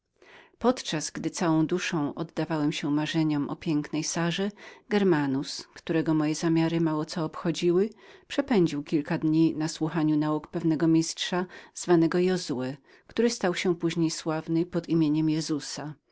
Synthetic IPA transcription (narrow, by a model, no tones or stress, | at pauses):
pɔt̪t͡ʂaz̥ɡd̪ɘt̪sawɔ̃w̃d̪uʂɔ̃w̃ʔɔd̪ːavawɛmɕɛmaʐɛɲɔmʔɔ̰pʲjɛŋknɛjsaʐɛɡɛɾmanuskt̪uɾɛɡɔmɔjɛzamʲjaɾɘmawɔt̪ɔːpxɔd͡ʑiwɘpʂɛpɛɲd͡ʑiwkʲilkad̪ɲinaswuxaɲunaukpɛvnɛɡɔmʲistʂaz̥vanɛɡɔjɔzuɛ | kt̪uɾɘst̪awɕɛpuʑɲejswavnɘpɔd̪imʲjeɲɛmjɛzusa